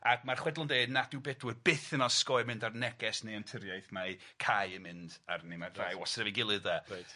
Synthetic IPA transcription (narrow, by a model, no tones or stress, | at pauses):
aɡmarχwɛdlˠʊndejdnad̥ɪwbɛdwɨdbɪθɪnɔskɔɨmɪ̃ndarnɛɡɛsnejantʰəɾjajθma | kʰajɨmɪnda̰rnemarajwɔsrɛviɡɪlˠɨðɛ